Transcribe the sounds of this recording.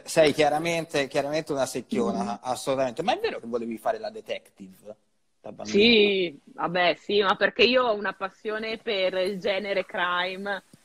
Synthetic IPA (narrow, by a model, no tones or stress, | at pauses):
sɛjk̟jaɾament̪ekjaɾament̪eunasekːjoːnaːsːolut̪ament̪emaɛvːeːɾok̟evːoleːvifaːɾelad̪et̪ɛkt̪iv | d̪̥abasiva̰bɛsimapːerkeiːoɔunapasːjoːneperild͡ʒɛːneɾekɾajm